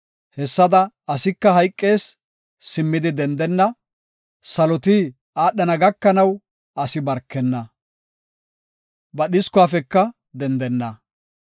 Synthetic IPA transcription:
hɛsːɐd̪ɐ | ɐsɪkːɐɦɐjkʼːe̞ːsː | ɪmːɪd̪ɪd̪ɛnd̪ɛnːɐ | sɐlɔt̪i | aːɗːɐnɐɡɐkːɐnɐw | ɐsɪbɐɾkːɛnːɐ | bɐɗɪskʊaːfɛkːɐ | d̪ɛnd̪ɛnːɐ

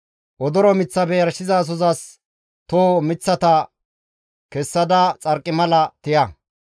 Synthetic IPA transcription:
ʔɔd̪ɔɾɔmɪt͡sːɐbɛjɐɾʃɪzaːs̬ɔzɐs | t̪omɪt͡sːɐt̪ɐ | kɛsːɐd̪ɐt͡sʼɐɾkʼːɪmɐlɐt̪ɪjɐ

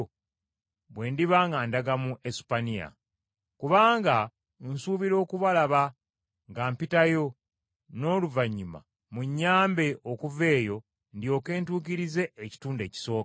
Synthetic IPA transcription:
βwe̞ːndiβaːŋɡaːndaɡamuesi̥panija̰ | kuβaːŋɡa | nsuːβiɾo̞ːkuβalaβa | ŋɡaːmpitajo̞ | no̞ːluvaɲːima̰ | muɲːaːmbe̞ʔokuve̞ːjo̞ | ndio̞ːke̞ːntuːkiɾize̞ːci̥tuːnde̞ːci̥so̞ːk

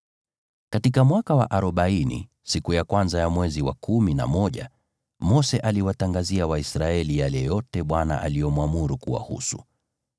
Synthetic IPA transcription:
katikamwakawa̰ʔaɾɔɓainḭ | sikujakwanzajamwɛziwa̰kumina̰mɔʄa̰ | mɔsɛʔaliwataŋɡaziawaisɾaɛlijalɛjɔtɛɓwana̰ʔalijɔmwamuɾukuwa̰hṵsu

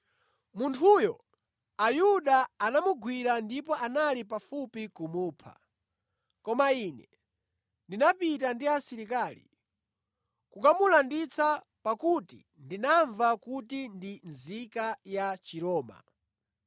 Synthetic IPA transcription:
muntʰujɔ | ajuɗaanamuɡwiɾandipɔʔanalipafupikumuːpʰa̰ | kɔmainɛ | ndinapitandiasiɾikaːlḭ | kukamulandit͡sa | pakutḭ | ndinaɱvakutindinzikajat͡ʃiɾɔːma̰

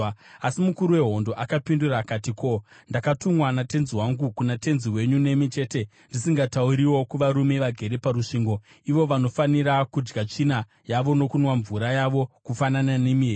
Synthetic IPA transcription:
asimukuɾuwe̞ɦo̞ndo̞ʔakapinduraːkatiko̞ | ndakatumwanate̞nziwaŋɡukunate̞nziwe̞ɲune̞mit͡ʃe̞ːte̞ | ndisiŋɡatauɾiwo̞kuʋaɾume̞ʋaɡʱe̞ɾe̞paɾuʂiːŋɡo̞ | iʋo̞ʋano̞faniɾakud͡ʒɡat͡ʂina | jaʋo̞no̞kunwaɱvuɾajaʋo̞kufananane̞mie

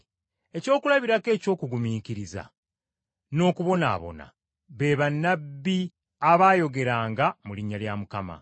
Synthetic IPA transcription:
e̞co̞ːkulaβiɾake̞ːco̞ːkuɡumiːkiɾiza̰ | no̞ːkuβo̞na̰ːβo̞̰na̰ | βe̞βanːabːi | aβaːjo̞ɡe̞ɾaːŋɡamuliɲːaljamukama̰

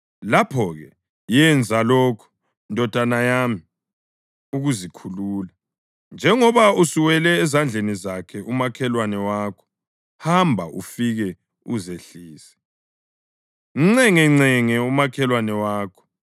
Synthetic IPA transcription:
lapʰɔɣɛ | jɛnd͡zʱalɔːkʰɔ̥ | ndʱɔd̥ʱanajami | uɣuzikʰuluːla | nd͡ʒʱɛŋɔβausiwɛlɛːzand͡ɮʱenizakʰɛʔumakʰɛlwanɛwaːkʰɔ̥ | hambʱaʔṵfiɣɛ | uzeɬiːsɛ̥ | iŋ͡ǀɛŋɛŋ͡ǀɛŋɛumakʰɛlwanɛwaːkʰɔ̥

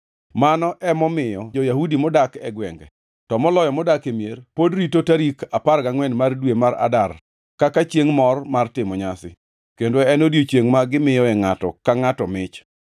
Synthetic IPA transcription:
manɔʔɛmɔmɪjɔd͡ʒɔjahudimɔdakɛ̰ɡwɛŋɡɛ̰ | tɔmɔlɔjɔmɔdakemjerpodɾitotaɾikaparɡaŋwɛnmardwemaɾa̰dar | kakat͡ʃjeŋmɔrmartɪmɔɲasɪ̰ | kendoɛnodjot͡ʃjeŋmaɡɪmɪjɔɛŋatɔ̰kaŋatɔmɪt͡ʃ

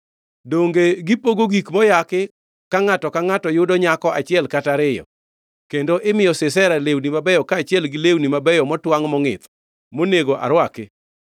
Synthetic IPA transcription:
doŋɡeɡɪpoɡoɡikmɔjakɪ | kaŋatɔkaŋatɔjʊdɔɲakɔʔat͡ʃɪɛlkataɾɪjɔ̰ | kendoʔɪmɪjɔsɪsɛɾalewnimabɛjɔkaːt͡ʃɪɛlɡɪlewnimabɛjɔmɔtwaŋmɔŋɪ̰t̪ | moneɡoʔa̰ɾwakɪ

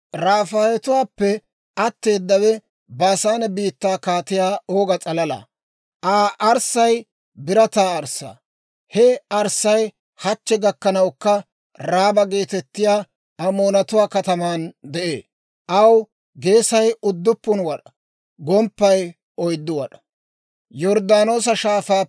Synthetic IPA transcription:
ɾaːfaːjɛt̪ʊwaːpːɛ | ɐt̪ːe̞ːd̪ːɐwɛ | baːsaːnɐbiːt̪ːaːkaːt̪ɪjaːoːɡɐt͡sʼɐlɐlɐ̰ | ʔaːʔɐɾsɐj | bɪɾɐt̪aːɐɾsːa̰ː | hɛɐɾsːɐj | hɐt͡ʃːɛɡɐkːɐnɐwkːɐ | ɾaːbɐɡe̞ːt̪ɛt̪ːɪjaː | ɐmoːnɐt̪ʊwaːkɐt̪ɐmaːnd̪ɛʔḛː | ʔɐw | ɡe̞ːsɐjʊd̪ːʊpːʊnwɐᶑɐ̥ | ɡɔmpːɐj | ɔjd̪ːʊwɐᶑɐ̥ | jɔɾd̪aːno̞ːs̬ɐʃaːfaː

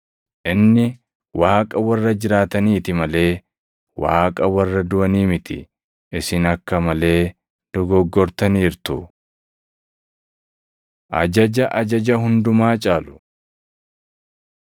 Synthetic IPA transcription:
ʔɪnːɪ | wʔaːkʼɐwɐrːɐd͡ʒɪɾaːt̪ɐniːt̪ɪmɐle̞ː | wa̰ːkʼɐwɐrːɐd̪ʊʔɐniːmɪt̪ɪ̰ | ɪsɪnɐkːɐmɐle̞ː | d̪̥ɔɡɔɡːɔɾt̪ɐniːɾt̪ʊ | ʔɐ̰d͡ʒɐd͡ʒɐʔɐd͡ʒɐd͡ʒɐɦʊnd̪ʊmaːt͡ʃʼaːlʊ̥

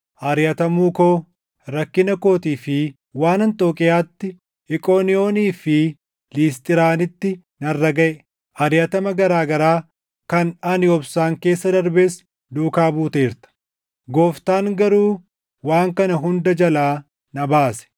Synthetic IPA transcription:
ʔɐɾjɐt̪ɐmuːko̞ː | ɾɐkːɪnɐko̞ːt̪iːfɪ | waːnɐnt̪ʼo̞ːkʼɪjaːt̪ːɪ | ɪkʼoːnɪjo̞ːniːfɪ | liːs̬t̪ʼɪɾaːnɪt̪ːɪ | nɐrːɐɡɐʔɛ | ʔɐɾjɐt̪ɐmɐɡɐɾaːɡɐɾaː | kɐnɐnɪɔbsaːŋke̞ːsːɐd̪ɐɾbeːs | d̪uːkaːbuːt̪eːɾt̪ɐ̥ | ɡoːft̪aːŋɡɐɾuː | waːŋkɐnɐɦʊnd̪ɐd͡ʒɐlaː | nɐbaːsɛ̥

